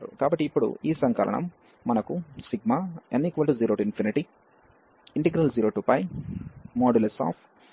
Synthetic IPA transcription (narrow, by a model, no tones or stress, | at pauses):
ɾṵkaːbɐʈːiːpːuɽṵiːsɐŋkɐlɐ̰ɳɐ̰mː | ɐnɐkusiɡmaenːiːkʋɐlʈud͡ʒiːɾoːʈinpʰiniʈi | iɳʈiɡɾɐld͡ʒiːɾoːʈupɐj | moːɖulesa̰ːp